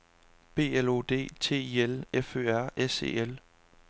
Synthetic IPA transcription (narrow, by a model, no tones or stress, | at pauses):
b̥e̝̰ːelo̝̰d̥e̝̰ːt͡sʰe̝̰ːiːelefø̰ːæɐ̰ese̝̰ːel